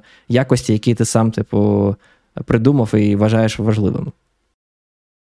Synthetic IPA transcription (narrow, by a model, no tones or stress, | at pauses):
jakɔsʲtʲijɐkʲit̪ɪsɑmt̪ɪpʊ | pɾɪd̪umɐwiʋɐʒɑjeʃʋɐʒlˠɪ̰ʋḛm